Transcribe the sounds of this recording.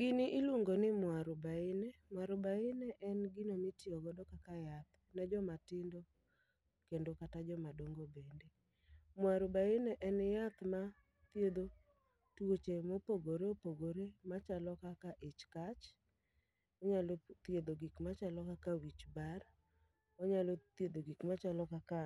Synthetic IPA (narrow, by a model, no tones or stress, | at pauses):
ɡɪnɪʔɪluŋɡonɪmwaɾʊbaɪnɛmwaɾʊbaɪnɛʔɛnɡinomɪtjɔɡɔdɔkakajat̪ | nɛd͡ʒɔmatɪndɔ | kendokatad͡ʒɔmadoŋɡobende | mwaɾʊbaɪnɛʔɛnjat̪ma | t̪jed̪o | twot͡ʃemopoɡoɾeopoɡoɾemat͡ʃalɔkakaʔɪt͡ʃkat͡ʃ | ɔɲalɔt̪jed̪oɡikmat͡ʃalɔkakawit͡ʃbar | ɔɲalɔt̪jed̪oɡikmat͡ʃalɔkaka